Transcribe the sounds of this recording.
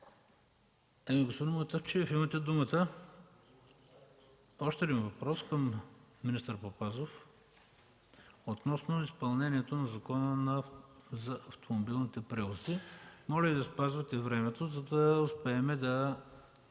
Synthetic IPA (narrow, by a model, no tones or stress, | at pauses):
ɛmiɡospod̪imt̪aft͡ʃiɐfimət̪ɛd̪umət̪ə | ɔʃt̪ɛd̪ʲimvɐpɾɔskəmːinist̪əɾpopazof | ot̪nɔsnoispɐlˠnɛniɛt̪onɐzɐkɔnənɐzɐʔɐft̪ʰomobilˠnit̪ɛpɾɛvˠosimɔʒɛvid̪ɐspazvɐt̪ɛvɾɛmɛt̪ozɐd̪ɐʊspɛːmɛd̪ɐ